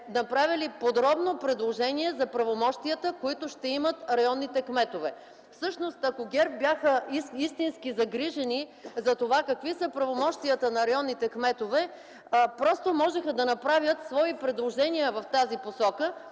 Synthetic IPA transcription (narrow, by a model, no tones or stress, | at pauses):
nɐpɾavʲilipod̪ɾɔbnopɾɛd̪lˠoʒɛniɛzɐpɾɐvomɔʃt̪ijət̪əkoit̪ʊʃt̪ɛimət̪ɾɐjɔnːit̪ɛkmɛt̪ovɛ | fsɤʃnost̪ɐkoɡʲɛɾp̚bʲjaxəiist̪inskizɐɡɾiʒɛnizɐt̪ovakɐkvisəpɾɐvomɔʃt̪iət̪ənɐɾɐjɔnːit̪ɛkmɛt̪ovɛ | pɾɔst̪omɔʒɛxɐd̪ɐnɐpɾavʲjət̪svɔipɾɛd̪lˠoʒɛniəvɐft̪aziposɔkə